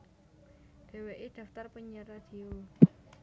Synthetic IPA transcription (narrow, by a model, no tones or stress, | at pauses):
d̪̥e̤weʔed̪̥a̤ft̪arpəɲərad̪̥i̤o